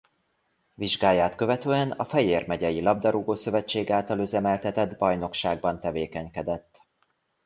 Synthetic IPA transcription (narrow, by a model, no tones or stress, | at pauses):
viʒɡaːjːaːt̪kø̞vɛt̪øːɛnɒfɛjeːrmɛɟɛjilɒb̚d̪ɒɾuɡoːsø̞vɛt͡ʃːeːɡaːlt̪ɒløzɛmɛlt̪ɛt̪ɛd̪bɒjno̞kʃaːɡ̚bɒnt̪ɛveːkɛɲkɛd̪ɛt̪ː